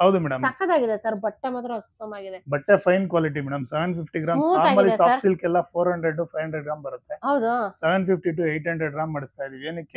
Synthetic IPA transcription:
ɦɐwd̪umɛːɽɐmsɐkːɐd̪aːɡid̪esɐɾbɐʈːemaːt̪ɾɐɐkɐmaːɡid̪ebɐʈːepʰɐjnkʋaːliʈ̬imɛːɽɐmseʋenpʰipʰʈiɡɾaːmsaːamɐlisaːɾilkɛlːɐpʰoːɾɦɐɳɖɾeɖupʰɐjɦɐɳɖɾeɖɡɾaːmbɐɾut̪ːeɦɐwd̪useʋenpʰip̚ʰʈiʈuːejʈɦɐɳɖɾeɖɡɾaːmːɐɽist̪aːjid̪iːʋienikːe

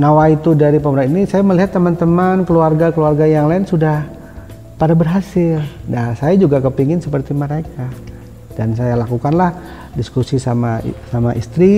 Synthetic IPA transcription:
nawait̪udaɾipəməɾaninisajaməliɦat̪ːəmant̪əmankəluarɡakəluarɡajaŋlaɪnsudah | padabərɦasɪldasajad͡ʒuɡakəpiŋɪnsəpərt̪iməɾeka | dans̬ajalakukanlah | diskusisamasamaʔḭst̪ɾi

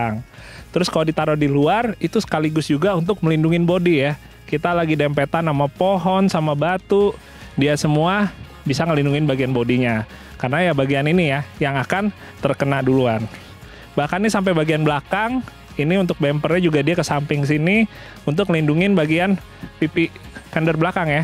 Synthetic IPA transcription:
ŋt̪əɾʊskaladit̪aɾodiluarit̪usə̥kaliɡʊsd͡ʒuɡaunt̪ʊk̚məlinduŋɪnbodija | kit̪alaɡidɛmpet̪anːamapoɦɔnsamabat̪u | diasəmua | bisaŋəlinduŋɪnbaɡianbodiɲa | karənajabaɡianinijajaŋakan | t̪ərkənaduluan | bahkannisamp̬ebaɡianblakaŋ | iniunt̪ʊk̚bɛmpərɲad͡ʒuɡadiakəsampɪŋs̬ini | unt̪̬ʊk̚ŋəlinduŋɪnbaɡian | pipikɛndərblakaŋja

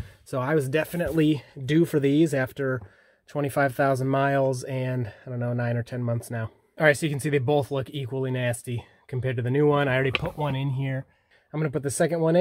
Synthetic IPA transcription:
soʊaɪwʌzdɛfɨnɨʔˡlidʉfə˞ðizæftə˞ | tʰw̥ɛ̃ɾ̃ifaɪv̥θaʊzə̃n̩maɪlˠzɨ̃nɪdõʊ̃nːoʊnãɪ̃nə˞tʰɛ̃nmʌ̃nθsnaʊ | ɑɹaɪtsoʊjɨkʰn̩siðeɪboʊθlʊkikwəl̩ˠinæsti | kʰm̩pʰɛɹdtɨðɨnʉwʌ̃naɪl̩ˠɹɛɾipʰʊʔwʌ̃nɪ̃nɦiɹ | ãɪ̃mɡʌnəpʊt̪̚ðɨsɛkɨ̃nʔ̚wʌ̃nɨ̃

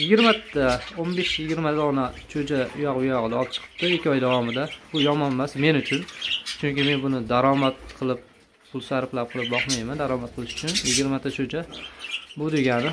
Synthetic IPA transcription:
jɪɡʲɪɾmat̪ʰːaonbe̞ʃjjɪɡʲɪɾmat̪ʰaɒnat͡ʃʰod͡ʒaʊ̰jɒqbʊjɒʁɨd̪aɒlˠp̚t͡ʃʰɨ̥qʰɨ̥p̚t̪ɪɪkʲːɒjd̪avɒmɪd̪abʊjɒmɒnmasme̞nʊt͡ʃʰʊnt͡ʃʰʊŋkʲɪme̞nbʊnɪd̪aɾɒmat̪̚qʰɨlˠɪp̚ | pʰʊlˠsaɾɪplap̚qʰɨlˠɪp̚bɒχmajmand̪aɾɒmat̪̚qʰɨlˠɪʃʊ̥t͡ʃʰʊnjɪɡʲɪɾmat̪ʰat͡ʃʰod͡ʒa | bʊd̪e̞ɡʲanɪ

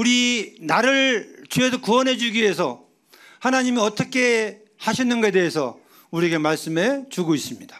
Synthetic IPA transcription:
uɾinaɾɯɭt͡ɕues̬ʰʌkuʌnɦe̞d͡ʑuɡie̞sʰʌ | hanaɲimiʌt͈ʌkʰe̞ | haɕʰinːɯnɡʌe̞de̞ɦesʰʌ̰ | uɾieɡemaɭs͈ɯmet͡ɕuɡois͈ɯmɲid̥ḁ

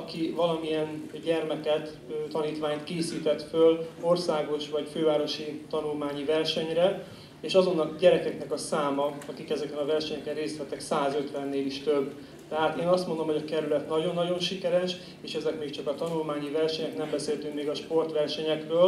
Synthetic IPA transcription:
ɒkivɒlɒmiɛnɟɛrmɛkɛt̪ | t̪ɒniːt̪ʋaːɲt̪keːsiːt̪ɛt̪følo̞rsaːɡo̞ʃʋɒcføːvaːɾo̞ʃit̪ɒnulmaːɲivɛrʃɛɲrɛ | eːʃɒzo̞nːɒkɟɛɾɛkɛknɛkɒsaːmɒɒkikɛzɛkɛnɒvɛrʃɛɲɛkɛnreːst̪hɛt̪ɛksaːzø̞t̪ʋɛnːeːliʃt̪øbː | t̪ɛɦaːt̪eːnɒst̪mond̪o̞mho̞ɟɒkɛɾylɛt̪nɒɟo̞nːɒɟo̞nʃikɛɾɛʃ | eːʃɛzɛkmeːkt͡ʃɒkɒt̪ɒnulmaːɲivɛrʃɛɲɛknɛmbɛseːlt̪yŋkmeːɡɒʃpo̞rt̪ʋɛrʃɛɲɛkrøːl

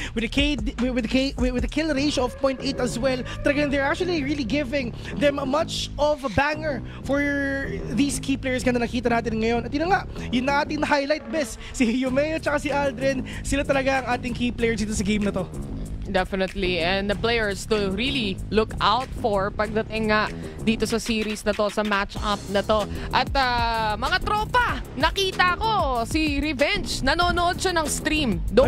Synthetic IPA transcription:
wɪðɐked̪wɪðkewwɪðɐkʰɪlɾeɪʃoɔvpɔj̃nt̪ʔejt̪ɐswɛlt̪ɐlɐɡand̪ɛɹak̚t͡ʃuɐliɹiliɡɪvɪ̃ŋ | ðɛmmɐt͡ʃɔvbaŋəɹ | fɔɹðiːskʰiplejəɹsɡɐnd̪ɐnɐkiːt̪ɐnaːt̪ɪnŋɐjo̞nɐt̪̚jɪnoŋaʔjʊnːɐŋʔaːt̪ɪŋnɐɦajlajt̪̚bɛs | sijʊmɛjot͡ʃɐkasiʔald̪ɾɪn | sɪlat̪ɐlɐɡaʔɐŋʔaːt̪ɪŋkiplejɛɹs̬d̪it̪osɐɡejmnɐt̪o̞d̪ɛfɪnɛt̪liʔɛnd̪ɐplɛjɛɹst̪ʊɾililʊkawt̪̚fɔɹpɐɡ̚d̪ɐt̪ɪŋːaʔ | d̪iːt̪o̞sɐsiːɾisnɐt̪o̞sɐmat͡ʃʔɐp̚nɐt̪o̞ʔɐt̪̚amɐŋat̪ɾoːpɐnɐkiːt̪ɐʔɐko̞siɾɛvɛnt͡ʃnɐnoːnoʔod̪̚ʃɐnɐŋst̪ɾimd̪o

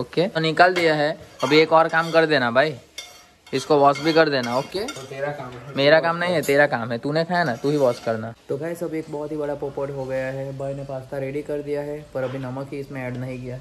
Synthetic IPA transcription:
oːkeonɪkəld̪ijaɦɛɐbʱieːkɔːɾkaːmkɐɾd̪eːnabʱaːi | ɪskoʋɔːsbʱikɐɾd̪eːnaoːkeːt̪eɾakːmmeːɾakaːmnɐɦĩɦɛt̪eːɾakaːmɦɛt̪unẽkʰaːjanat̪uːɦiʋɔːskɐɾnat̪obʱaːisɐbʱieːk̚bɔɦʊt̪ɦibɐɽapoːpəʈɦoɡɐjaɦɛbʱaːinẽpaːst̪ʰaɾeːɽikɐɾd̪ijaɦɛpɐɾɐbʱinɐməkɦiɪsmẽɛːɖnɐɦĩkijaɦɛ

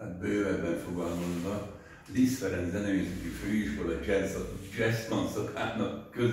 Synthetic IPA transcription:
at̪̚bøːvɛbɛɱfoɡaːmond̪dɒ | lisfɛɾɛnzɛnɛeːsɛt̪iføːiʃkolɒd͡ʒɛsɒd͡ʒɛst̪lɒnsɒkʰaːnɒkːøz

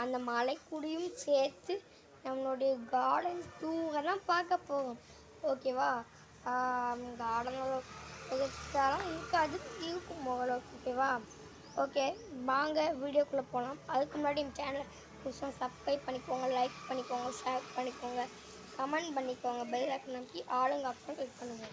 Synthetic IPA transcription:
ɐnd̪ɐmaːlɐɪkːʊɽɪjɯmseːɾt̪ːɯ | nɐmːɐloːɽɐjɐɡaːɽɐnst̪uːɣɐlãːpaːɾkːɐpːoːɣɐ̃ | oːkeːʋaː | ɡaːɽɐnɐloɪðɐtaːlãːɪɾɯkːaːðɯɪɾɯkːʊ̃mɔːɣɐloːoːkeːʋaː | oːkeːʋaːŋɡɐʋiːɽɪjoːkʊɭːɐpoːlãːmɐðɯkːɯmʊnaːɽimɐt͡ʃɛːnɐl | kʊsõːsɐbskɾɐɪppːɐɳːɪkːoːŋɡɐlɐɪkpɐɳːɪkːoːŋɡɐʃeːppɐɳːɪkːoːŋɡɐ | kɐmɛɳɖpɐɳːɪkːoːŋɡɐbɛllaːkːnɐmɐkːiʔaːlɯŋɡaːpsɐ̃keːk̚pɐɳːɯʋɐ̃

